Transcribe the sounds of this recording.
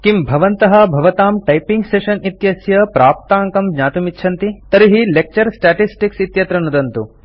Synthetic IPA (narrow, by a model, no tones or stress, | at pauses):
kimbʱɐʋɐnt̪ɐɦɐbʱɐʋɐt̪aːmʈɐjpiŋɡseʃɐnit̪jɐsjɐpɾaːp̚t̪aːŋkɐmɡ̪ɲaːt̪umitːʃʰɐnt̪it̪ɐɾiɦilek̚t͡ʃɐɾsʈaːʈisʈiksit̪jɐt̪ɾɐnud̪ɐnt̪u